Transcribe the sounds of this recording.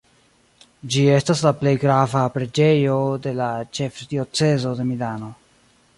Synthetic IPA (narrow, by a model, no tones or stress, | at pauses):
d͡ʒie̞staslaple̞jɡɾavapɾe̞d͡ʒe̞jo̞de̞lat͡ʃe̞fdio̞t͡se̞zo̞de̞milano̞